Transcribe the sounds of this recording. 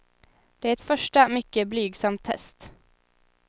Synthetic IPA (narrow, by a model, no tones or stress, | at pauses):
d̪̥ɛæɾɛt̪fœʂʈəmʏkːəblyːɡsamt̪ʰːɛ̰st̪